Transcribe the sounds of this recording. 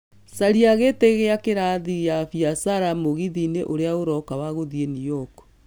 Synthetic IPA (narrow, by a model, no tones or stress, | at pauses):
saɾiaɣeteɣeakeɾaðiɣjafiasaɾamoɣiðineʔoɾeaoɾɔkawaɣoðienijɔk